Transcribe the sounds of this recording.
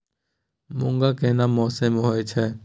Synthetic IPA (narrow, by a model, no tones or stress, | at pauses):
mʊ̃ŋɡakeːnamɔːsemɦoet͡ʃʰɛː